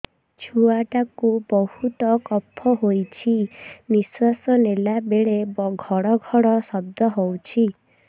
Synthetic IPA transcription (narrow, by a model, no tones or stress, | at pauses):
t͡ʃʰuaʈakubɔhut̪ɔkɔpʰːɔɦojt͡ʃʰiniswasɔnelabeɭebɔɡʱɔɽɔɡʱɔɽɔsɔb̚d̪ʱɔɦowt͡ʃʰi